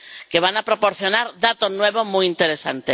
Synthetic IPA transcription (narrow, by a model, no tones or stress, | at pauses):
keβ̞anapɾopoɾθjonaɾðat̪onweβ̞omujint̪eɾesa̰nt̪e